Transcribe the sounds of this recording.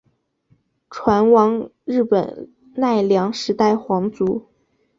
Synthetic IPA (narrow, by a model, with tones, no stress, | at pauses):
ʈ͡ʂʰwa˧˥nwɑ˧˥ŋ | ɻɻ̩˥˩pə̰˨˩n | na˥˩ɪljɑ˧˥ŋʂɻ̩˧˥t̪a˥˩ɪxwɑ˧˥ŋt͡su˧˥